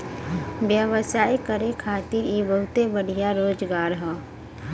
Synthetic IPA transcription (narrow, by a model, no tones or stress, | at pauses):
ʋjəʋəsaːikəɾekʰaːt̪iɾibəɦʊt̪ebəɽ̤ʱijaɾoːd͡ʒɡaːɾɦɛː